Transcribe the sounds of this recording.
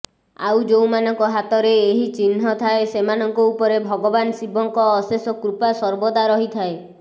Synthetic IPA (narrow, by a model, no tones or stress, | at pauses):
a̰wd͡ʒewmanɔŋkɔɦat̪ɔɾeːɦit͡ʃin̤ɦɔt̪ʰaesemanɔŋkɔupɔɾebʱɔɡɔbansibʱɔŋkɔːsesɔkɾupasɔɾbɔd̪aɾɔɦit̪ʰae